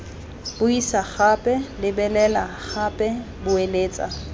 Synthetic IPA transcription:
b̥ʊisaχapʼɛlɪbɛlɛlaχapʼɛ | bʊeleːt͡sʼa̰

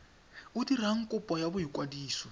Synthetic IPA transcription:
utir̤aŋ̩kʼupʼɔjabuɦikʼwadiːsɔ

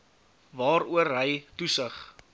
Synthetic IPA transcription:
vɑːɾuərɦəjtusəχ

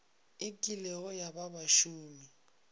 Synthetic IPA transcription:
ɪkʼilɛɔjababaʃuːmi

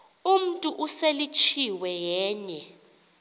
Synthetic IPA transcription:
um̩tʼuʔuselit͡ʃʰiwɛjɛːɲɛ

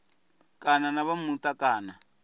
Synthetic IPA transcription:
kʼananaβamutakaːna

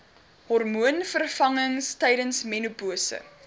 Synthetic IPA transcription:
hɔrmuənfərfɐŋəŋstɛjdənsmenupuəsə̰

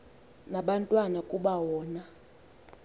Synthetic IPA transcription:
naɓantʼwanakʼuɓawɔːna

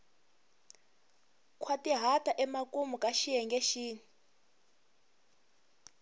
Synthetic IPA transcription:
kʰwatʼiɦatʼaʔɛmakʼumukʼaʃijɛŋɡɛʃiːni

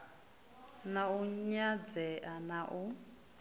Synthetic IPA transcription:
nauɲad͡zɛʔanaʔu

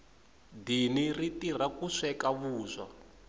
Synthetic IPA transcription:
diniritirakuʂɛkaβuːzʷa

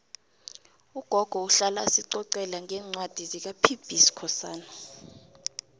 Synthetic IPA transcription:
uɡ̥ʱɔɡ̥ʱɔuɬalasiǀɔǀɛlaŋɛːŋ͡ǀwad̥ʱizik̬apʰib̥ʱisi̥kʰɔsaːna

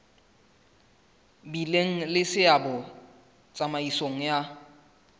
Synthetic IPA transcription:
bileŋ̩lɪsɪabʊ | t͡sʼamaisoŋ̩ja

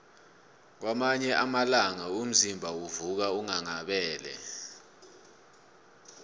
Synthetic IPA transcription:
k̬wamaɲɛʔamalaŋaum̩zimbʱawuvuk̬auŋaŋaɓɛːlɛ̰

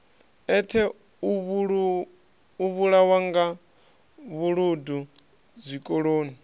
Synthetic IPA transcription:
ɛtʰɛ | uβɺ | uβuɺawaŋɡa | βuɺudu | d͡zʷikʼoɺoːni

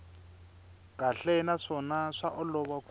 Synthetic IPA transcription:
kʼaɬɛnaʂɔnaʂaʔɔlɔβak

